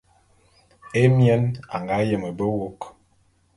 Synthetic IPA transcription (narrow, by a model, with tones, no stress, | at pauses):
e˦mjɛ˦na̰˨ŋɡa˦jə˨mə˨bə˦wo˦k